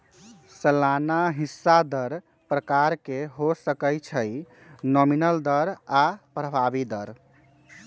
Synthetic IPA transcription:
səlanaɦisːad̪əɾ | pɾəkaɾkeɦosəkəjt͡ʃʰəj | nɔminəld̪əɾapɾəbʱabid̪əɾ

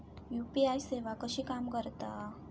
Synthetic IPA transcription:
juːpiajseʋakəʃiːkamkəɾt̪a

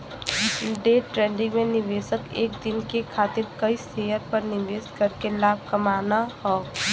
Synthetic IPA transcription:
ɖeːʈɾɛ̃ːɳɖɪ̃ŋɡmẽnɪʋeːsəkeːkd̪ɪnkekʰaːt̪ɪɾkəiseːjəɾpɐɾnɪʋeːskɐɾkelaːb̚ʱkɐmaːnahɔː

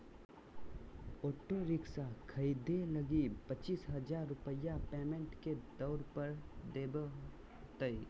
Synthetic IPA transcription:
oːʈoɾɪksakʰəid̪ʱeləɡipət͡ʃiːsɦəd͡ʒaɾːʊpəjapeːmẽɳʈked̪ɔːɾpəɾd̪eːbəɦ | t̪əi

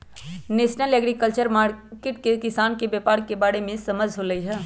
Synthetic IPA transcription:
nesnəleɡɾikəlt͡ʃəɾmaɾkeʈkekisankebepaɽkebaɽemesəməd͡ʒʱɦoləjɦɛ

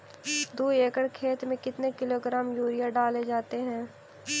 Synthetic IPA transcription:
d̪uːeːkəɽkʰeːt̪mẽkɪt̪nekɪloːɡɾaːmjuːɾijaɖaːled͡ʒaːt̪eɦɛ̃ː

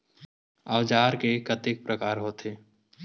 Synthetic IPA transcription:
əwd͡ʒaːɾkekət̪ek̚pɾəkaːɾɦoːt̪eː

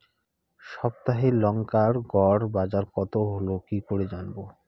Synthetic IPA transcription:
ʃɔb̚t̪aɦelɔŋkaɾɡɔɽbad͡ʑaɾkɔt̪oɦolokikoɾed͡ʑanbo

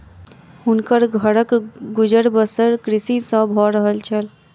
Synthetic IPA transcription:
hunkəɾɡʱəɾəkɡud͡ʒəɾbəsəɾkɾisisə̃bʱɔɾəɦəlt͡ʃʰəl

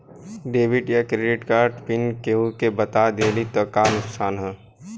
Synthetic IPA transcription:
ɖeːbɪʈjakɾeɖɪʈkaːɾɖpɪnkeɦukebɐt̪ad̪eːlit̪ɔkanʊksʰaːnɦɛː

